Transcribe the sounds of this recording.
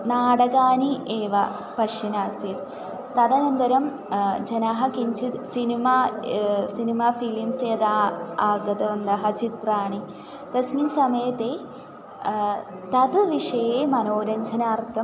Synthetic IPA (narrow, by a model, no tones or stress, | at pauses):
naːɽɐɡaːnieːʋɐ | pɐʂinaːsjet̪ | t̪ɐd̪ɐnɐnd̪ɐɾɐm | d͡ʒɐnaɦɐkiɲt͡ʃʰit̪sinimaːsinimaːfilimsjɐd̪aːaːɡɐd̪ɐʋɐnd̪ɐɦɐt͡ʃit̪ɾaːɳi | t̪ɐsminsɐmɐjɐt̪eː | t̪ɐd̪ɨʋiʂɐjeːmɐnoːɾɐɲd͡ʒɐnaːɾt̪ʰːɐm